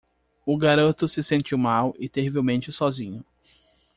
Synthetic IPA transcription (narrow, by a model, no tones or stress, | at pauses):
ʊɡaɾɐ̃t̪ʊsɪsẽnt͡ʃiwmawɪt̪ehivewmẽnt͡ʃɪsɔzĩɲʊ